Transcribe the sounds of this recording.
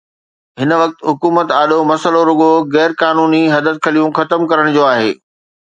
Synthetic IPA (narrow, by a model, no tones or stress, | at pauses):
ɦɪnə̆ʋɐk̚t̪ɦʊkuːmət̪aːɗomɐsəloɾʊɠoɣɛːɾkaːnuːniɦɐd̪ət̪̚kʰɐlijũxɐt̪əmkɐɾəɽ̃d͡ʑoːaːɦeː